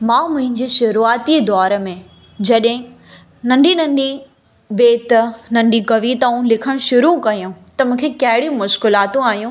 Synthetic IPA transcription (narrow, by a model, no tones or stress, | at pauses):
mãːmʊ̃ɦɪ̃ɲd͡ʑeːʃʊɾuaːt̪iːd̪ɔːɾəmẽ | d͡ʑɐɗɦɪ̃ | nɐ̃ɳɖʱinɐ̃ɳɖi | beːt̪nɐ̃ɳɖʱikɐʋiːt̪aũlɪkʰəɽ̃ʃʊɾukɐijũt̪ɐmũːkʰekɐɦɪɽijũmʊʃkɪlaːt̪ũaːɦijũː